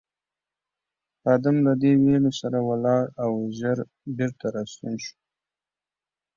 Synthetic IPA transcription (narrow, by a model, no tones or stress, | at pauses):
ɑd̪amlad̪ewelosaɾawalɑɾawʒaɾ | beɾt̪aɾɑst̪unʃu̥